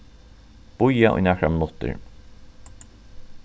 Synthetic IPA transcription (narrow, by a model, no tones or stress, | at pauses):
b̥ʊjaʔʊ̰jnæːkɾamɪnʊt̪ɪ̰ɹ